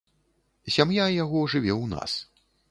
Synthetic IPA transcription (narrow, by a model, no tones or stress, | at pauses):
sʲamjajaɣɔʐɨvʲɛwna̰s